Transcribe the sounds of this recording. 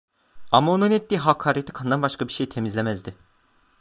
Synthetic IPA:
amaonunɛt̪ːiːɦakʰːaːɾet̪ʰi̥kʰand̪anbaʃkʰabiɾʃejt̪ʰe̞mizlʲemæzd̪ɪ

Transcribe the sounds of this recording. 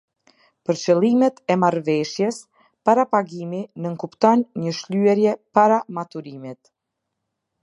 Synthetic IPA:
pəɾt͡ʃəlˠimɛt̪ɛmaɾvɛʃjɛs | paɾapaɡiminəŋkupt̪ɔnɲəʃlyɛɾjɛpaɾamat̪uɾimit̪

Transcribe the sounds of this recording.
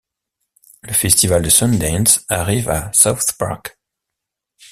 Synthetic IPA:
ləfɛst̪ivald̪əsɔnd̪ɛ̃nsaʁivasawθpa̰ʁk

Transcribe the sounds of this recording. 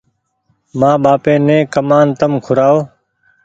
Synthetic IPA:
mãːɓaːpẽːnẽːkəmaːnt̪əmkʰʊɾaːoː

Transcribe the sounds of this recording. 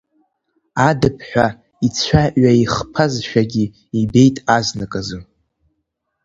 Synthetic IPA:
adɨpʰħʷᶣa | it͡sʷʰaʔɥaiχpʰazʃᶣaɡʲi | ibe̞jtʼaznɨkʼazɨ

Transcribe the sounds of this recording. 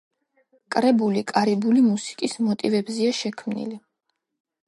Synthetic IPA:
kʼɾɛbulikʼaɾibulimusi̥kʼismɔt̪ʼivɛbziaʃɛkʰmnḭli

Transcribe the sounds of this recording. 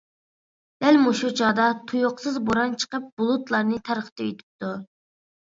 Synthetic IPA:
d̪̥ɛlmuʃut͡ʃʰɑːd̪ɑt̪ʰujoqsɨzboɾɑnt͡ʃʰə̥qəp̚b̥ulˠʊt̪lˠɑɾnɨt̪ʰæɾχt̪ʰɛyt̪ʰy̥p̚t̪u

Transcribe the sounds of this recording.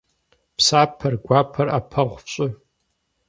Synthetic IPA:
pʰsapʰːɐrɡʷapʰɐrapʰaʁʷft͡ʃʷʼʊ

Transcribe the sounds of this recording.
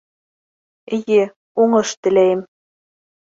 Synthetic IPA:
eje | uŋɤ̆ʃt̪ɘ̆lʲæem

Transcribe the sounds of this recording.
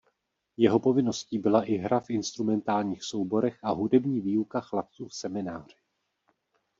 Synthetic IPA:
jɛɦo̞po̞vɪno̞sciːbɪlaʔɪɦɾafʔɪnst̪ɾumɛnt̪aːlɲiːxso̞wbo̞ɾɛxʔaɦudɛbɲiːviːukaxlap̚t͡suːfsɛmɪnaːr̝̥ɪ̥

